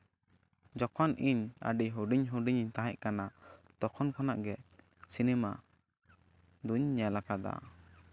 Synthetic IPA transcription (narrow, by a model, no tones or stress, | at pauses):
d͡ʒɔkʰɔnʔiɲa̰ɖiɦuɖiɲɦuɖiɲiɲt̪aɦɛʔkanat̪ɔkʰɔnkɔnaʔɡɛʔ | sinɛma | d̪uɲːɛlakad̪a̰